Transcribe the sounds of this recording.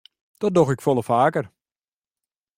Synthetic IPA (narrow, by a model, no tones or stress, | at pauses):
d̥ɔdoxɪkfolˠəfaːkər